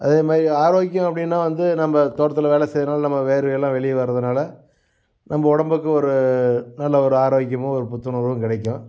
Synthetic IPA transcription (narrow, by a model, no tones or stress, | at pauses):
ʔɐðeːmaːd̪ɾiaːɾoːɣɪkːjɐ̃ɐpːɐɽɪnːaːʋɐnd̪ɯnɐmːɐt̪oːɽɐt̪̬ːɯlʋeːlɛsɛjðɯnaːlɐnɐmːɐʋeːɾɯʋjɛlːãːʋɛɭɪjʋɐɾɐðɯnaːlɐ | nɐmbɐɔɽɐmbɯkːɯɔɾɯnɐlːɐɔɾɯaːɾoːɣɪk̬ːjɐmʊ̃ɔɾɯpʊt̪ːɯɳoɾɯ̃kɪɽɐɪkːʊ̃